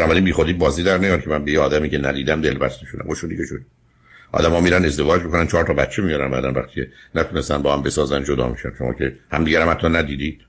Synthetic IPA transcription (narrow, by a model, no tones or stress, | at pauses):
nɒːbæɾiːnbiːxod̪iːbɒːziːd̪æɾnejɒːncʰemænbejeɒːd̪æmiːcʰe̞næ̰d̪iːd̪æmd̪e̞lbæst̪eʃod̪æ̰moʃod̪iːceʃod̪i | ʔɒ̰ːd̪æmɒːmiːɾænd̪e̞zd̪e̞vɒːd͡ʒmikʰonænt͡ʃʰɒːɾt̪ʰɒːbæt̪t͡ʃʰemijɑɾænbæ̰d̪ænvæ̰xt̪i̥ːcʰenæt̪ʰunest̪ænbɒːhæmbe̞sɒːzænd͡ʒod̪ɒ̰ːmḭʃæ̰nʃomɒ̰ːcʰe̞hæmd̪iːɟæɾæmhæt̪ʰːɒːnæd̪iːd̪iːd̪̥